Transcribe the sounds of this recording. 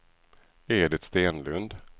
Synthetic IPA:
ɛɖɛt̪st̪eːnlɵnd̪

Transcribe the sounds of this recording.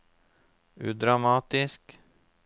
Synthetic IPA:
ʉ̰ːd̪ɾamɑːt̪ɪsk

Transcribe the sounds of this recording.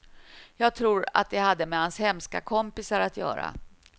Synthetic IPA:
jɑːɡ̚t̪ʰɾuːɾa̰t̪̚d̪ɛhad̪ːəmɛhanshɛmska̰kʰɔmpɪsaɾat̪ʰjœ̰ːɾa̰

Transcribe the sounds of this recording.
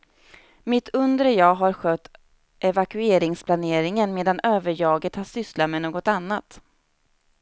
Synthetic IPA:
mɪt̪ʰɵnd̪ɾəjɑːɦaɾɧøːt̪ | ʔɛvakɵeːɾɪŋspʰlaneːɾɪŋənmeːd̪anøːvəɾjɑːɡət̪haʂʏslat̪mɛnoːɡɔt̪anːat̪

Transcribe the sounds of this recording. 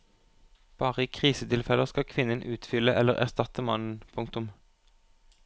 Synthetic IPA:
b̥ɑːʁəiːkʰʁiːsət̪ʰɪlfɛləskɑkʰʋɪnənʔʉːt̪fʏləʔɛləʁæ̰ʁst̪ɑt̪əmɑnn̩pʰʊŋkt̪ʊm

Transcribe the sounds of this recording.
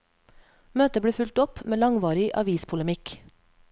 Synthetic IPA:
møːt̪əbɽeːfʉlt̪ɔpmeːlɑŋʋɑːɾɪʔɑ̰ʋiːspʰʊləmɪk

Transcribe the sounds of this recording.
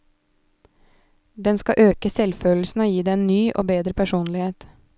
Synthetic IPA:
d̪ɛnskɑʔøːkəsɛlføːl̩sn̩oːjiːd̪eːeːnnyːʔo̰ːbeːd̪ɾəpʰæʃuːnlɪheːt̪

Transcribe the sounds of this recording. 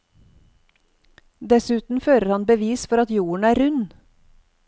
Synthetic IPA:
d̪ɛsʉːt̪n̩føːɾəɾhɑnbəʋiːsfɔɾɑt̪juːɳ̩æːɾʉn

